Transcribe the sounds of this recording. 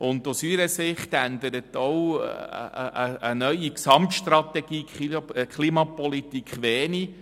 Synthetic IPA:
ʊnd̪usyɾəsɪχt̪ænd̪əɾətɔw̰ | ə̰ʔəənœʏiksɑmtʃtɾɑtɛɡ̥iːkikʰlimɑpɔlitikχʋɛːni

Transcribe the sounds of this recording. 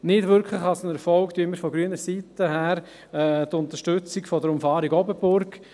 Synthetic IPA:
nɪdʋʏɾkʰχləχɑlsənɛɾfɔlktyəməɾfɔɡɾyənəɾsitəɦæːɾ | ɛtʊnt̪əɾʃtʏt͡sikfɔdəɾʊmfɑːɾiɡɔbəbʊɾk

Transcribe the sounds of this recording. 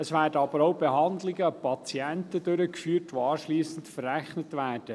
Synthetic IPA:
əsvæːɾdəɑbəɾoʊbeɦɑnd̪lɪɡəpʰɑt͡siɛntəd̥øɾəkfyːrtʋoɑːʃliːsən̩tfərːæχnətʋæːrd̥ə

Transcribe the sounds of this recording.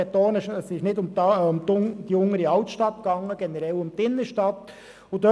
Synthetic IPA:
ɛt̪ɔːnɪʃəsɪʃnɪdʊmʊmt̪d̥iʊŋːəɾiɑʊt̪ʃtɑt̪ɡ̥ɑŋːəɡ̥ɛnəɾɛlʊmt̪ɪnːəʃtɑt̪ | ʊd̪ø

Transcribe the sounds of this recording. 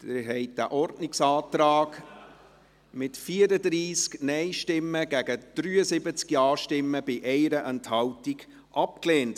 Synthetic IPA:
tɪɾɦɛɪt̚d̥æ̰ʔɔɾdnɪksɑːtɾɑːɡ̥ | mɪtfiːəɾədɾiːsknɛɪʃtɪmːəɡæɡəd̥ɾyːəsɪbət͡skiɑːʃtɪmːəb̥ɪʔɛɪɾəʔɛnthɑwtiɡ̥ | ʔɑp̚kleːnt

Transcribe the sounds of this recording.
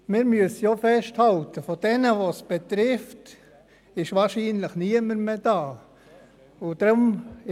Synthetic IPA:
mɪːɾmyəsəjofɛʃthɑltəfod̥ɛnəʋosb̥et̪ɾɪft | ɪʃʋɑːʃiːnləχniəməɾmed̥ɑː | ʊd̥̪ɾʊm

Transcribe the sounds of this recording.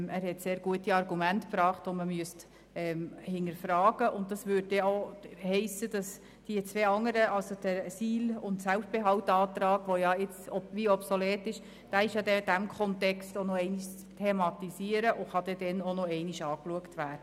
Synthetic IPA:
æːɾhɛtseːɾɡ̥uətiɑɾɡumæntpɾɑːχtɔməmyəst | ɛːmhɪnəɾfɾɑːɡ̥əʔʊntdɑsʋʏd̚dɛohɛɪsəd̥ɑs | d̥iət͡sʋeːɑŋəɾəʔɑlsod̥əsiːlʊntsælfb̥eɦɑltɑːtɾɑːɡʋojɑɪt͡sɔʋiɔpsolɛːtɪʃ | d̥æːɪʃjɑdɛd̥æmkʰɔntɛkstonɔɛɪniʃ | tʰemɑtisiːəɾəʔʊχɑd̪ɛdɛnonɔɛɪniʃɑːkluəktʋæːd̥ə

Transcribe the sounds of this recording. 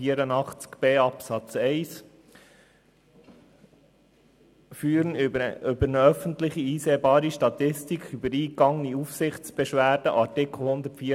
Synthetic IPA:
iəɾənɑχt͡skb̥eːɑpsɑt͡sɛɪs | fyːɾənʏbəɾnəœfən̩t̪lɪχiiːseːbɑːɾiʃtɑt̪ɪstikʰybəɾiːkɑŋniufsɪχt͡sb̥ɛʃʋæːɾd̥əʔɑɾtɪkl̩hʊnd̪ətfiː

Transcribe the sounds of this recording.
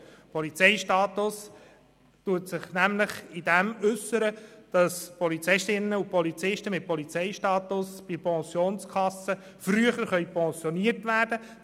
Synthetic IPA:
pʰɔlit͡sɛɪʃtɑːt̪ʊs | tuətsɪχnæmləχɪdɛmʏsːəɾəd̥ɑspɔlit͡sɪʃtɪnːəʊpɔlit͡sɪʃtəmɪt̚pɔlit͡sɛɪʃtɑːtʊsb̥ɪpʰɑ̃sjoːnskʰɑsːə | fryəχəɾχœʏpʰɑ̃sjɔniərtʋæːɾd̥ə

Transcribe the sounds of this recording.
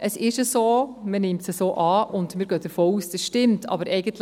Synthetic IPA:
ʔəsɪʃəsoːmənɪmtsəsoːʔɑːʔʊndmɪːɾɡøːd̥əɾfoːuːsd̥ɛsʃtɪmtʰɑ̰ːbəɾʔɛɪɡ̥əntl

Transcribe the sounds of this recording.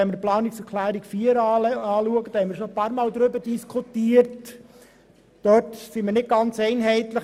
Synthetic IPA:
ɛməplɑːniksɾkʰlæːɾikfiəɾɑːluəɡəd̥ɔhɛməɾʃopɑːɾmɑːld̪ɾʏbədiskʰutiːərt | d̥œtsiməɾnɪt̚ɡ̥ɑnt͡sɛɪnɦɛɪtlə

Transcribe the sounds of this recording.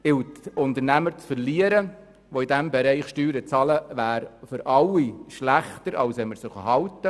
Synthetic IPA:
ɪwtʊnt̪əɾnæməɾt͡sfəɾliəɾə | voidæmbɛɾɛɪχʃtyːɾət͡sɑləvæːɾfʏɾʔɑlːiʃlæχtəɾɑ̰lsɛməɾsɪχəhɑltə

